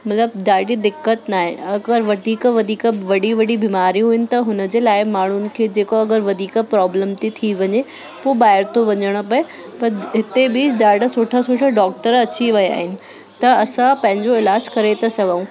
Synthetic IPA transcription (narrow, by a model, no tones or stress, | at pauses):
mɐt̪ləbɗaːɽid̪ɪkːət̪naːɦḛ̃ɐɡəɾʋɐd̪ʱiːkʋɐd̪ʱiːkʋɐɽiʋɐɽibiːmaːɾijũɦʊːɪnɪ̆t̪ɐɦʊnəd͡ʑeːlaːɪmaːɳ̤ʊnɪ̆kʰeːd͡ʑeːkoɐɡəɾʋɐd̪ʱiːkpɾɔːbləmt̪it̪ʰiʋɐɲe | poːbaːɦɪɾt̪ʰoʋɐɲəɽ̃̆pɐe | pɐɾɦɪt̪ebɪɗaːɖəsʊːʈʰasʊʈʰaɖɔːk̚ʈəɾɐt͡ɕiʋɐja̰ːɦɪnɪ̆ | t̪ɐɐsãpɐ̃ɦɪ̃ɲd͡ʑoɪlaːd͡ʑkɐɾet̪ʰɐsɐɡʱaũ